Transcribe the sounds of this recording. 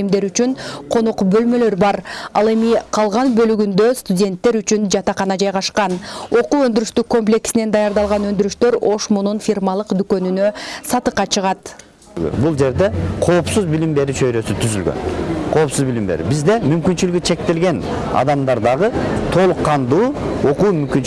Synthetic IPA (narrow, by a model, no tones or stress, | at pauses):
md̪e̞ɾyt͡ʃynqʰo̞noqbø̞lmø̞lø̞ɾbɑɾɑ̰lˠe̞miqʰɑlˠʁɑnbø̞lyɡynd̪ø̞st̪udʲe̞nt̪ːe̞ɾyt͡ʃynd͡ʒɑt̪ɑqɑnɑd͡ʒɑjʁɑʃqɑno̞quːø̞nd̪yɾyʃt̪yko̞mp̬lʲe̞ksine̞nd̪ɑjɑɾd̪ɑlˠʁɑnø̞nd̪yɾyʃt̪ø̞ɾo̞ʃmununfʲirmɑlˠɯqd̪ykø̞nynø̞sɑt̪ɯqːɑt͡ʃʰɯʁɑt̪ | ɡø̰bulˠd͡ʒe̞ɾd̪e̞qʰo̞ːpsuzbilimbe̞ɾyt͡ʃʰøjɾø̞syt̪ʰyzylɡø̰nqʰo̞ːpsuzbilimbḛɾy̰bizd̪e̞mymkynt͡ʃylyɡt͡ʃʰe̞k̚t̪e̞lɡe̞n | ɑ̰d̪ɑmd̪ɑɾd̪ɑʁɯt̪ʰo̞lˠuqːɑnd̪uː | o̞quːmymkynt͡ʃ